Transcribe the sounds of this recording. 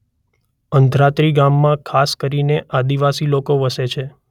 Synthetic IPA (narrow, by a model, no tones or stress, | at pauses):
ənd̪ʱɾat̪ɾiɡamːãkʰaskəɾineʔad̪iʋasilokoʋəset͡ʃʰe